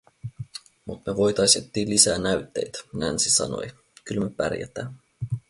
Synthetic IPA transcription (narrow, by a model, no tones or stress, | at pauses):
mut̪meʋo̞jt̪ɑjst̪et̪ːiːlisæːnæɥt̪ːe̞̰jt̪nænsisɑ̰no̰j | kylme̞pæ̰rjæ̰t̪æːmː